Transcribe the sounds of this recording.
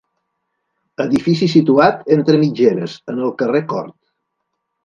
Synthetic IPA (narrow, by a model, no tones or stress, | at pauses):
əðifisisit̪uat̪ent̪ɾəmid͡ʒeɾəzənəlˠkərekɔ̰ɾt̪